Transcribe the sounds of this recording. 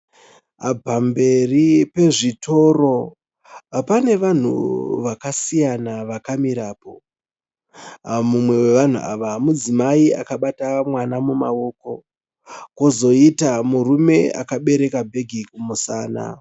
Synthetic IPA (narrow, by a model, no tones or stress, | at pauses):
abʱambe̞ripe̞ʐitʰo̞ro̞ | pane̞ʋan̤ṵʋakasijanaʋakamiɾaːpo̞̰ | amumwe̞weʋan̤ṵa̰ʋamud͡zimaia̰kaɓatamwanamumao̞ːko̞ | kozo̞itamurume̞a̰kaɓe̞ɾe̞kabʱe̞ɡʱikumusaːna̰